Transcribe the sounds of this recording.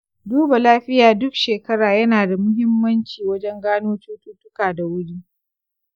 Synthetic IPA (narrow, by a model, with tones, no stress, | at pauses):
duː˦ba˨laː˦ɸɪ˦jaː˨dʊ˦kʃeː˨kɐ˦ɽaː˨jɐ˦naː˨da˨mʊ˦ɦɪ˦mːɐ˦nt͡ʃiː˨wɐ˦d͡ʒɛ˦ŋɡaː˦noː˦t͡ʃuː˦tuː˦tʊ˦kaː˨da˨wʊ˦ɽiː˦